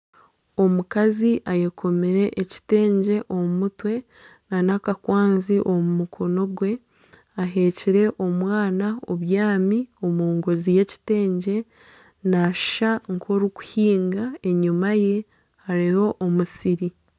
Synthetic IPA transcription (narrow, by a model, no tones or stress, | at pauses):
o̞mukaziʔajekʰo̞meɾe̞ʔːci̥te̞ːɲɟe̞ʔo̞mumutwe̞ | nanakakwaːnziʔo̞mumukʰo̞no̞ɡwe̞ | aɦe̞ːciɾe̞ʔo̞mwaːnaoβjaːmio̞muːŋɡozije̞ci̥te̞ːɲɟe̞ | naʃʃaŋkʰo̞ɾiku̥hiːŋɡae̞ɲumaje̞ | haɾiho̞ʔomusiɾi